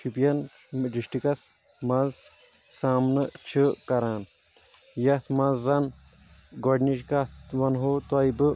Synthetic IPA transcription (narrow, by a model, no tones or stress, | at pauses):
t͡ʃʰipijɐn | ɖiʂʈikɐs | mɐz | saːmnɐt͡ʃʰɨkɐɾaːn | jɐt̪ʰmɐzːɐn | ɡoɖniʃkɐtʋɐnɦoːt̪ɐjbɨ